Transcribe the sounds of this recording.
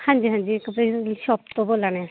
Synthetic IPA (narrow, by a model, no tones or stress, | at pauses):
hãːɲd͡ʒiːɦãːnd͡ʒiːkəpɾeːɾlʃɔːp̚t̪õboːlaːnɛ